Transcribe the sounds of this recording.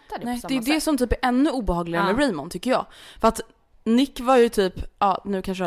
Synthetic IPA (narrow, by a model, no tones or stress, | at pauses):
nɛd̪ɛjɪd̪ɛsɔmt̪ʰyːpæɾʔɛnːɵuːbɛhɑːɡlɪɡaɾmɛɾɛːmʊnt̪ʰʏkːəɾjɑ̰ːɡfœɾat̪ | nɪkːvaɾjɵt̪ʰyːpʔɑːnʉ̟ːkʰanʂ